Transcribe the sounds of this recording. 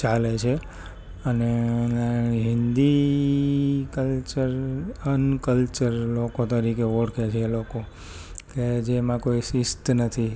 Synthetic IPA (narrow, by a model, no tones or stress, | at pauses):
t͡ʃalet͡ʃʰe | əne | ɦɪnd̪i | kəlt͡ʃəɾənkəlt͡ʃəɾlokot̪əɾikeoɽkʰet͡ʃʰeːloko | ked͡ʒemãkoisɪst̪nət̪ʰi